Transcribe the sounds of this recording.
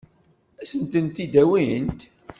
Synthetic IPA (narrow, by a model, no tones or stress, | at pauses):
æsənt̪ənt̪id̪æwint̪